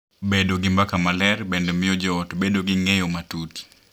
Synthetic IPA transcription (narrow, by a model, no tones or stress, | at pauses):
bedoɡimbakamalɛrbendomɪjɔd͡ʒɔtbedoɡɪŋejomatuti̥